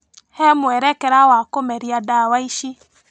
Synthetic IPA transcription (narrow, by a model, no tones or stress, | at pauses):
hɛmwɛɾɛkɛɾawakomɛɾijadawaiʃi